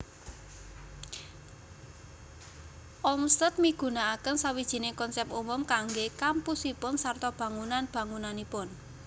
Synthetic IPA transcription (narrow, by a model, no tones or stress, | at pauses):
ʔɔmst̪ət̪̚miɡ̥ṳnaːkənsawid̥ʒ̥i̤nekɔnsɛpumʊmkaŋɡekampusipʊnsart̪ɔb̥ä̤ŋunanb̥ä̤ŋunanipʊn